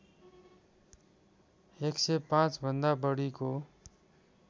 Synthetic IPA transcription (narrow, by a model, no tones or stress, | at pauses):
eksepãt͡ʃbʱə̃nd̪abəɽiko